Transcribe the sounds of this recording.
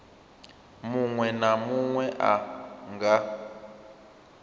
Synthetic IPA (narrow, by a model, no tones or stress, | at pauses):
muŋwɛnamuŋwɛʔaŋɡa